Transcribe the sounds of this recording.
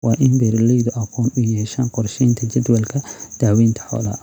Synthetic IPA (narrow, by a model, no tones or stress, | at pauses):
wɑːʔɪnbɛɾlɛjðʊʔɐqʰɔːnʊjɛːʃaːnqɔrʃɛjnt̪ʰɐt͡ʃɛd̪wɛlkʰɐd̪̥aːwiːnt̪ʰɐ̥ħɔ̰ːlɐ̰ː